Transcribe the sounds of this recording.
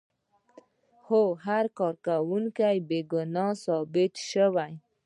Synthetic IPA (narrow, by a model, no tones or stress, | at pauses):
hoɦaɾkɔɾkawuŋkajbeɡʊnɑsɔbɪt̪ʃəwaj